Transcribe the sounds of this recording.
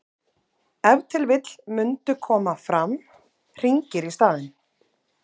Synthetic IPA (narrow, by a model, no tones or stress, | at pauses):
ɛvt̪ʰɪlvɪt̪l̥mʏnt̪ʏkʰɔːmafɾam | r̥iɲcɪɾist̪aːðɪn